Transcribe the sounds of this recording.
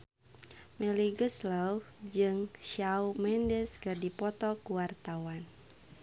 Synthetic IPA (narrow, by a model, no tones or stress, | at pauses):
mɛliɡəsləw | d͡ʒɨŋʃawmɛndɛskɨrdipɔt̪ɔkuwart̪awan